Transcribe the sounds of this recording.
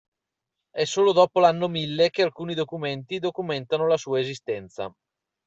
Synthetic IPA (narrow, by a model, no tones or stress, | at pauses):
ɛsoːlod̪ɔːpolanːomilːek̟ealkuːnid̪okument̪id̪okument̪anolasuːaezist̪ɛnt̪sa̰